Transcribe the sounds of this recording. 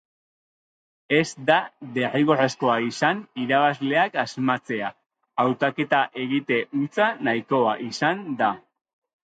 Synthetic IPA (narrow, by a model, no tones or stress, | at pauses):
e̞zd̪aðe̞riɣoresko̞aisaniɾaβazle̞akazmat͡se̞aː | wt̪ake̞t̪aʔe̞ɣit̪e̞ʔut͡sanajko̞aʔisand̪a